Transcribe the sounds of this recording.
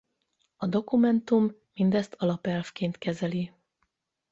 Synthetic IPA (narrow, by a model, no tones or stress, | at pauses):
ɒd̪o̞kumɛnt̪umː | ind̪ɛst̪ʰɒlɒpɛlfkeːnt̪kɛzɛli